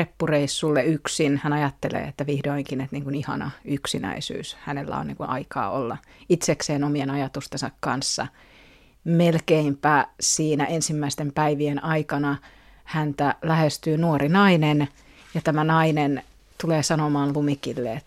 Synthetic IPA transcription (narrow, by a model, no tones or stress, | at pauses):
epːureisːulːeyksinhænɑjɑt̪ːelḛːet̪ːæʋihdoiŋkinet̪niːŋkunihɑ̰nɑ̰yksinæ̰isy̰ːshænelːæ̰o̰nnḭŋkunʔɑ̰ikɑ̰ːolːɑ | it̪sekseːnomienɑjɑt̪ust̪ensɑkkɑnsːɑ̰ | melkeimpæːsiːnæʔensimːæist̪empæiʋienɑikɑnɑ | hænt̪ælæhest̪yːnuorinɑinen | jɑt̪æmænɑinen | t̪uleːsɑnomɑːnlumikilːeet̪